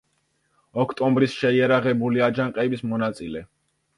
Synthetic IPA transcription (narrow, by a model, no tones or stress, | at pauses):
ɔkʰt̪ʼɔmbɾisʃɛiɛɾaʁɛbuliad͡ʒaŋqʼɛbismɔnat̪sʼilɛ